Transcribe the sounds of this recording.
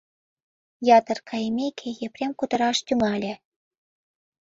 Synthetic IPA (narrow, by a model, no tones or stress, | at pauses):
jɑt̪ɤ̆rkʰɑjemʲekʰejeprʲemkut̪ɤ̆ɾɑʃt̪ʲymɑlʲĕ